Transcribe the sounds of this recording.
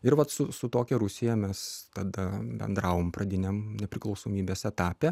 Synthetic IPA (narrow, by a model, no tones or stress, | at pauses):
ɪɾʋɐt̪sʊsʊt̪oːkʲɛɾʊsʲɪjɛmʲɛst̪ɐd̪ɐbʲɛ̰nd̪ɾɑːʋoːmprɐd̪ʲɪnʲɛmnʲɛpʲɾʲɪklˠɒʊsoːmʲiːbʲeːsɛt̪ɑːpʲɛ